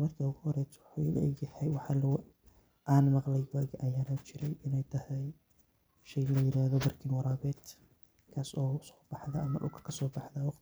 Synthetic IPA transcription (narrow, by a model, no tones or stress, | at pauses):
mɐrk̪ʰɐʊɣʊhɔɾɛːt̪ʰwʊħʊ̰ːlɐ̰ɡjɛħɛjwɑħɑːlw | ʔaːnmɑqlɛjwaːɡʔɐjaːnɐt͡ʃɪɾɛjʔɪnɛjt̪ʰɐhɛj | ʃɛjlɐjɪɾaːhðɔbɐrkʰinwɑɾaːbɛːd̪ | kʰaːsɔːsɔ̥ːb̥ɑħðɐɐmɐʔʊ̰kʰkʰɐsɔːbɑħðɐːwɑqt̪